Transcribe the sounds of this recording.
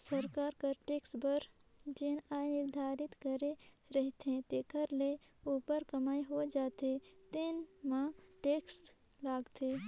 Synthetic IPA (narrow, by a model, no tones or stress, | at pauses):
səɾkaːɾkəɾʈeːksbəɾd͡ʒɪnaːnɪɾd̪ʱaːɾɪt̪kəɾeɾəɦt̪ẽt̪ekəɾle | upəɾkɐmaːiɦod͡ʒaːt̪et̪ɪnmãʈeːks | laːɡt̪eː